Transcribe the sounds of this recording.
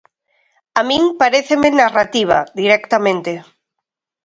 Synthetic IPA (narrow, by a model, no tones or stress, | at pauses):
amĩŋpaɾeθemenarat̪iβ̞a̰d̪iɾɛkt̪amẽnt̪e